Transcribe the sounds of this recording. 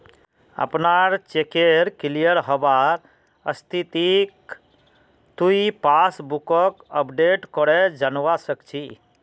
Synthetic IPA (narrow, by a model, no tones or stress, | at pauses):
ə̰pnaɾt͡ʃekeɾkilijəɾɦɔbaɾ | ə̰st̪ʰit̪ik | t̪uipasbukɔkəpɖeʈkɔɽɛd͡ʒanwasəkt͡ʃʰi